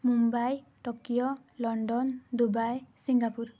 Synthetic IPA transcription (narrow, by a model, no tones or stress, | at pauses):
mumbaj | ʈɔkijɔ | lɔɳɖɔnd̪ubajsiŋɡapuɾ